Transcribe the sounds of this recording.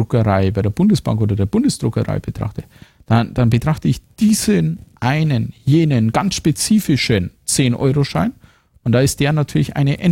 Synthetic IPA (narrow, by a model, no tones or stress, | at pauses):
ʊkəʁaɪbaɪɾeɐbʊndəsb̥a̰ŋkʔoːdɐdeːɐbʊndəsd̥ʁʊkəʁa̰ɪb̥ətʁ̥a̰χtə | d̥and̥anbətʁ̥aχtəɪçd̥iːzənʔaɪnənjeːnənɡansʃpet͡siːfɪʃənt͡seːnʔɔ̰ʏʁoʃa̰ɪn | ʊntd̥aːɪstd̥eːɐnatʰyːɐlɪçʔa̰ɪnəʔɛn